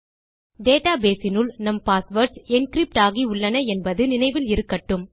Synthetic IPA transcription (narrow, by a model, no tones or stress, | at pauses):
ɖeːʈaːbeːsɪnɯlnɐmpaːsʋɐɾʈsɛnkɾɪp̚ʈaːɣiʊɭːɐnɐɛnbɐðɯnɪnɐɪʋɪlɪɾɯkːɐʈːɯm